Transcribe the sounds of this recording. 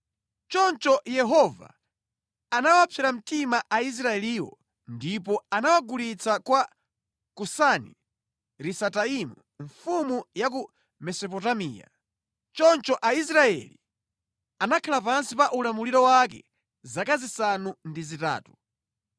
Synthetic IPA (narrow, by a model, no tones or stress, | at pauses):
t͡ʃɔnt͡ʃɔjɛɦɔva̰ | anawapʰɛɾam̩timaʔais̬ɾaɛliːwɔ̰ | ndip̬ɔanawaɡulit͡sakwa | kusanḭ | ɾisataimu | ɱfumujak̬u | mɛsɔpɔtamḭːja̰ | t͡ʃɔnt͡ʃɔʔais̬ɾaɛ̰li | anakʰalapansipaʔulamuliɾɔwak̬ɛ̰ | zakazisanundizita̰ːtu̥